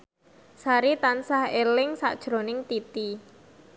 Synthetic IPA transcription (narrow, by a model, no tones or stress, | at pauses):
saɾit̪ansahelɪŋsa̰ʔd̥ʒ̥ɾo̤nɪŋt̪it̪i